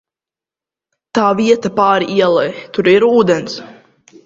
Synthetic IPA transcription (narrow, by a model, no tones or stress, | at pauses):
t̪aːviɛt̪apaːɾiʔiɛlˠɛjt̪uɾiɾuːd̪ɛns